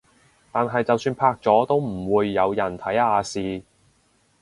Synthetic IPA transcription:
t̪aː˨nɦɐ˨jt͡sɐ˨wsyː˧npʰaː˧k̚t͡sɔː˨˥t̪o˥wm̩˨˩wuː˨˧jːɐ˨˧wjɐ˨˩nt̪ʰɐ˨˥jaː˨˧siː˨

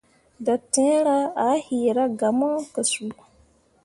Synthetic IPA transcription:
da˨tɛ̃˦ɾa˦a˨˦hi˨ɾa˦ɡa˨mɔ˦kə˨su˨˦

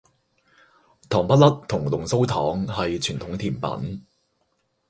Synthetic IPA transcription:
t̪ʰɔː˨˩ŋpɐ˥t̚lɐ˥t̚t̪ʰʊ˨˩ŋlʊ˨˩ŋso˥wt̪ʰɔː˨˥ŋhɐ˨jt͡ʃʰyː˨˩nt̪ʰʊ˨˥ŋt̪ʰiː˨˩npɐ̰˨˥n

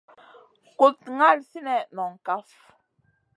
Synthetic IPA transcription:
ko˨t̚ŋa˦˨lsi˦nɛ˨nɔ˨ŋ˨ka˦f

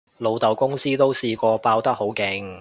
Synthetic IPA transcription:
lo˨˧wt̪ɐ˨˩wkʊ˥ŋsiː˥t̪o˥wsiː˧kʷɔː˧paː˧wt̪ɐ˥ho˨˥wkɪ˨˩ŋ

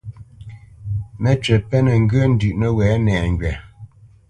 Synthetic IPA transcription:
mɛ˦t͡ʃɛ˨pɛ˦nə˨ŋ̩˦ɡə˦n̩˦dʉ˨ʔnə˨wɛː˨˦nɛː˨ŋ˨ɡɥɛ˨

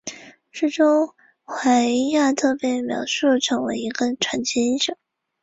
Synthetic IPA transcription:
t͡sɹ̩˥˩ʈ͡ʂʊ˥ŋ | xwa˧˥˧ja˥˧t̪ʰɤ˥˧pjɛ˧˥ɪmjɑ̰˨˩ʊʂu˥˩ʈ͡ʂʰɤ˧˥ŋwe˧˥ɪi˧˥ɡə˧ʈ͡ʂʰwa˧˥nt͡ɕʰi˥i˥ʂɤ˨˩˦ŋ

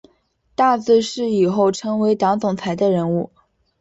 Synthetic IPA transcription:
t̪a˥˧t͡sɹ̩˥˧ʂɻ̩˥˩i˨˩xo˥˩ʊʈ͡ʂʰɤ˥ŋwe˧˥ɪt̪ɑ˧˥ŋt͡sʊ˨˩ŋt͡sʰa˧˥ɪd̪ə˧ɻə˧˥nu˥˩

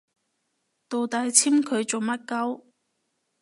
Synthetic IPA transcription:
t̪o˨wt̪aː˨˧jt͡sʰiː˥mkʰɵ˨˧ɥt͡so˨wmɐ˥t̚kɐ˥w

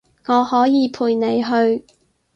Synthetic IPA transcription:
ŋɔː˨˧hɔː˨˥jiː˨˧pʰuː˨˧jne˨˧jɦɵ˧ɥ

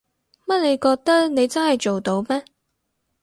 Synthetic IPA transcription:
mɐ˥t̚le˨˧jkɔː˧k̚t̪ɐ˥k̚ne˨˧jt͡sɐ˥nhɐ˨jt͡ʃo˨wt̪o˨˧wmɛː˥

